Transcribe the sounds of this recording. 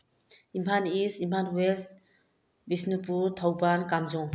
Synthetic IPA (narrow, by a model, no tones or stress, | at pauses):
impʰanisimpʰanwes | bisnipuɾt̪ʰawbankamzɔŋ